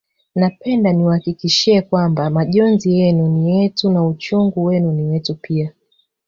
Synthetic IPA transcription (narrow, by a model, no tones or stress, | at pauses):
napɛndaniwahakikiʃiɛkwambamaʄɔnzijɛnunijɛtunaut͡ʃɔŋɡuwɛnuniwɛtupia